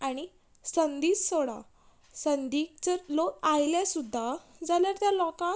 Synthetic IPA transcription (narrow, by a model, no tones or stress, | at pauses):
aɽ̃i | sənd̪iːssoɽa̰ | sənd̪ik̚t͡səɾlokajljasud̪ʱːad͡zaljaɾt̪jalɔkã